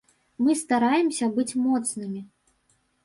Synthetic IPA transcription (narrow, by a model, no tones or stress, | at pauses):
mɨst̪aɾajɛmsʲɐbɨt͡sʲmɔt̪snɨmʲi